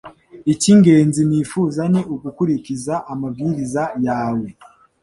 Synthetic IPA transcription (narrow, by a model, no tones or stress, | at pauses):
iciŋɡe̞ːnziniːfuzaneʔuɡukuɾicizaʔːmavɡiɾizajaːwe̞